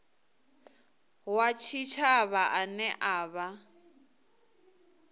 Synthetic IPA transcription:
wat͡ʃʰit͡ʃʰaβaʔanɛʔaːβa

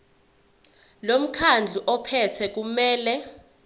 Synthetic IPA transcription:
lom̩kʰand͡ɮʱuʔɔpʰɛtʰɛk̬umɛːlɛ

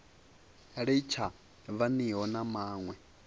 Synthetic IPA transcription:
ɺit͡ʃʰa | βaniɦɔnamaːŋwɛ

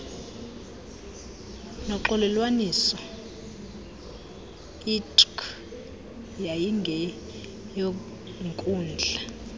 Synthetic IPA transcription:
nɔǃɔlɛlwanisɔ | itʼk | jajiŋɡʱɛ | jo | ŋkʼuːnd͡ɮʱa

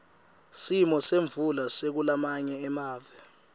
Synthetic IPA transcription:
simɔseɱvulasek̬ulamaɲɛːmaːvɛ

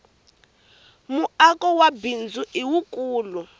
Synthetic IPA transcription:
muakʼɔwabind͡zʱuʔiwukʼuːlu

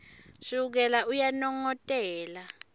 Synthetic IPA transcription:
suk̬ɛlaʔujanɔŋɔtʼɛːla

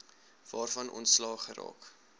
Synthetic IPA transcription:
v̥ɑːrfɐnʔɔ̰ntslɑːχəɾɑ̰ːk

